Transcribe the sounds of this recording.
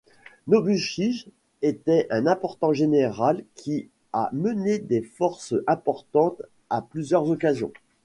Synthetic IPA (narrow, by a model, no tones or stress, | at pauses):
nobyʃiʒ | et̪ɛʔɛ̃nɛ̃pɔʁt̪ɑ̃ʒeneʁalkʲʰi | a̰məned̪efɔʁsɛ̃pɔʁt̪ɑ̃t̪ | aplyzjœʁzɔkazjɔ̰̃